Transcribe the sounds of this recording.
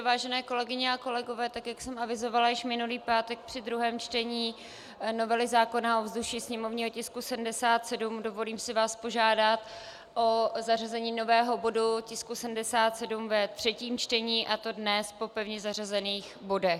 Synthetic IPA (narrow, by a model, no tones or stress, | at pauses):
vaːʒɛnɛːko̞lɛɡɪɲɛako̞lɛɡo̞vɛːt̪akjaksɛmavɪzo̞valajɪʃmɪnuliːpaːt̪ɛk̚pr̝̥ɪdɾuɦɛːmt͡ʃt̪ɛɲiː | no̞vɛlɪzaːko̞naʔovzduʃisɲɛmovɲiːɦo̞cɪskusɛdm̩dɛsaːt̪sɛdumdo̞vo̞liːmsɪvaːspo̞ʒaːdat̪ | ʔozarazɛɲiːno̞vɛːɦo̞bo̞ducɪskusɛdm̩dɛsaːt̪sɛdumvɛt̪r̝̥ɛciːmt͡ʃt̪ɛɲiːʔat̪o̞dnɛspo̞pɛvɲɛzarazɛniːxbo̞dɛx